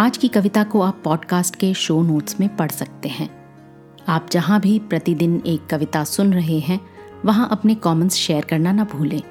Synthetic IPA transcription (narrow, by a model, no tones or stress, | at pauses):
aːd͡ʒkikɐʋɪt̪akoaːpːɔːɖkaːsʈkeʃoːnoːʈsmẽpɐɽsɐk̚t̪eɦɛ̃ː | aːp̚d͡ʒɐɦãbʱipɾɐt̪id̪ɪneːkːɐʋɪt̪asʊnɾɐɦeɦɛ̃ | ʋɐɦãʔɐpnekɔːmə̃nsʃeːəɾkɐɾnanɐbʱuːlẽː